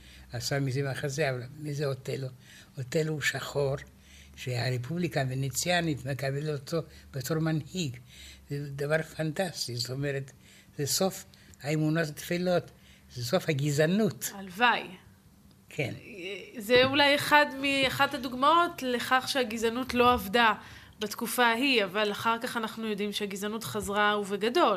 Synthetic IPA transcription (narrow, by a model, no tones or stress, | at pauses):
asamizemaχazeavalmizeotelo | otelhuʃaχo̞ɾ | ʃeaɾepʰublikavenet͡sjanit̪mekabelot̪ob̥etoʁmanhiɡzed̪avaɾfantast̪izot̪omeɾet | zeso̞f | haemunotat̪filo̞t | zesofhaɡizanutalvaj | kʰḛnzeulaje̞χadmiaχadhaduɡmaotle̞χaχʃeaɡizanutlo̞avda | batkufaɦiavalaχaʁkaχanaχnujo̞dimʃeaɡizanutχazʁauveɡado̞l